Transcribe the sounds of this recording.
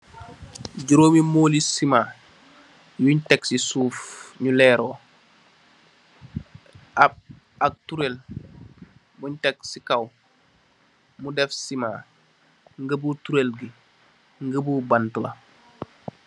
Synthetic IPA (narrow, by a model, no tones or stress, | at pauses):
ɟuɾoːmimoːlisima | juɲteksisuːfɲulɛːɾoː | ab̚ | ak̚tuɾel | buɲtek̚sikaw | mudɛfsima̰ | ŋɡəbutuɾelɡi | ŋɡəbuːbantula̰